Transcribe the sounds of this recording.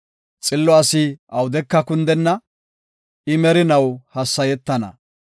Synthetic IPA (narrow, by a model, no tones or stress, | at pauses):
t͡sʼɪlːɔɐsɪɐwʊd̪ɛkːɐkʊnd̪ɛnːɐ | ʔɪmɛɾɪnɐwhɐsːɐjɛt̪ːɐnɐ̰